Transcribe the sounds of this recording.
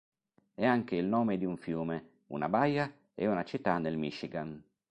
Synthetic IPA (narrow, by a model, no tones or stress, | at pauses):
ɛaŋk̟eilnɔːmed̪iuɱfjuːme | ṵna̰baja | ḛunat͡ʃit̪ːanelmiʃiɡan